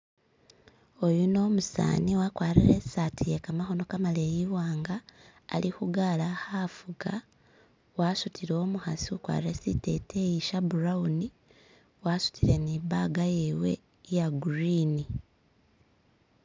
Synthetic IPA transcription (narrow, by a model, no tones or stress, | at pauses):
o̞juno̞ːmusa̰ːniwakwaːɾiɾesatijekamaɦo̞no̞kamalejiwaːŋɡaː | lihuɡalahafuɡa | waːsutʰiɾoomuhasiukwa̰ːɾiɾesitḛtʰejiʃabuɾauni | wasu̥tʰiɾe̞niːbaɡajewe̞̰ | jaɡuɾini